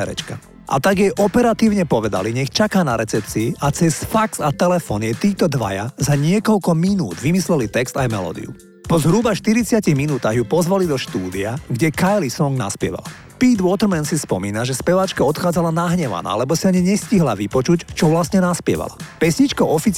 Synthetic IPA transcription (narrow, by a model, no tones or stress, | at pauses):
ɛɾɛ̰t͡ʃka | ʔa̰t̪aɡjɛʔɔpɛɾat̪iːʊɲɛpɔʋɛd̪a̰liɲɛxt͡ʃakaːnaɾɛt͡sɛp̚t͡siːʔat͡sɛsfaksat̪ɛlɛfɔːnɪjɛt̪iːt̪ɔd̪ʋa̰ja̰zaɲɪɛkɔʎkɔminuːd̪ʋimislɛlit̪ɛkst̪ajmɛ̰lɔ̰ːd̪ḭjṵ | pɔzɦɾubaʃt̪iɾit͡sɪaciɣminuːt̪aːɣjupɔzʋalid̪ɔʃt̪uːd̪iaɡɟɛkajlisɔŋɡna̰spɪɛ̰ʋa̰l | piːd̪ʋʊɔt̪ɾmɛnsispɔmiːnaʒɛspɛʋaːt͡ʃkaɔt̪xaːd͡zalanaɦɲɛʋa̰na̰ːlɛbɔsiaɲiɲɛsciɦlaʋipɔt͡ʃuct͡ʃɔʋlasɲɛnaspɪɛ̰ʋa̰la̰pɛsɲit͡ʃkɔʔɔfit͡s